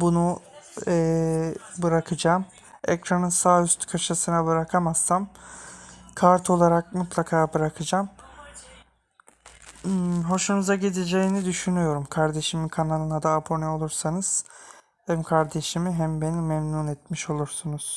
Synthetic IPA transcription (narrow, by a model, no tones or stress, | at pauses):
bunuɛːbɯɾakʰɯd͡ʒaːm | ɛkɾanɯnsaːyst̪kʰaʃasɯnabɯɾakʰamaz̥ːam | kʰaɾt̪ʰo̞lˠaɾak̚mut̪lˠakʰaːbɯɾakʰɯd͡ʒam | ɦo̞ʃunuzaɟid̪ed͡ʒejinid̪yʃynyjo̞ɾumkʰaɾd̪e̞ʃimikʰanalˠɯnad̪aːpʰo̞nɛo̞lˠuɾsanɯz̥ | hɛmkʰaɾd̪e̞ʃimiɦæmbe̞nimɛmnunɛt̪̚miʃo̞lˠuɾsunuz̥